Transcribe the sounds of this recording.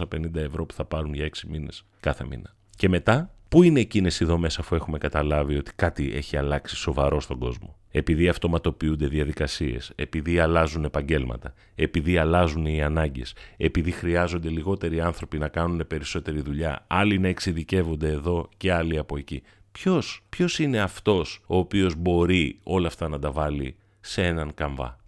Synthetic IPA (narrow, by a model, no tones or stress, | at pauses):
ɐpe̞nind̪ɐe̞vɾo̞pu̥θɐpɐɾunʝɐeksimine̞̰s | kɐθe̞̰mḭnɐ | ce̞me̞t̪ɐpuine̞ːcine̞siðo̞me̞sɐfue̞xume̞kɐt̪ɐlɐvio̞t̪i̥kɐt̪iʔe̞̰çiɐlɐksi̥so̞vɐɾo̞st̪o̞ɡo̞̰zmo̞̰ | e̞piðiɐft̪o̞mɐt̪o̞piund̪e̞ðiɐðikɐsie̞̰se̞piðiɐlɐzune̞pɐɲɟe̞lmɐ̰t̪ɐ | e̞piðiɐlɐzuniɐnɐɲɟe̞̰se̞piðixɾiɐzo̞nd̪e̞liɣo̞t̪e̞ɾiɐnθɾo̞pinɐkɐnune̞pe̞ɾiso̞t̪e̞ɾiðuʎɐ̰ɐlinɐe̞ksiðice̞vo̞nd̪e̞ːðo̞ce̞ɐliɐpo̞e̞ci | pço̞spço̞sine̞ɐft̪o̞so̞ːpio̞zbo̞ɾio̞lɐft̪ɐnɐd̪ɐvɐlḭ | see̞nɐŋkɐɱvɐ̰